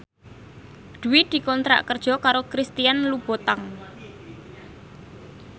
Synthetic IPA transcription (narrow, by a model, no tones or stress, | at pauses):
d̪̥ṳwid̪̥i̤kɔnt̪ɾa̰ʔkərd̥ʒ̥ɔ̤kaɾokɾist̪ijanlub̥ɔ̤t̪aŋ